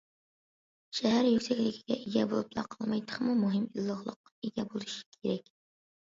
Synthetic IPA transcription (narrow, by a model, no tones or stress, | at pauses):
ʃɛɦæɾjykʲsɛkʲlɪkʲʰi̥ɡʲɛʔeɡʲɛbolˠuplˠɑ̰qʰɑlˠmɑjt̪ʰə̥χmumuɦɪmilˠːəʁlˠə̰qɑeɡʲɛbolˠɨʃi̥kʲʰeɾɛkʲ